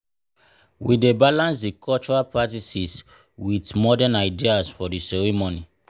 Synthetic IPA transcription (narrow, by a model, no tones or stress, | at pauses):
widebalãnsdikʰɔlt͡ʃɔɹapɹatisis | witmɔdɛnaɪdiasfɔdisɛɹimoni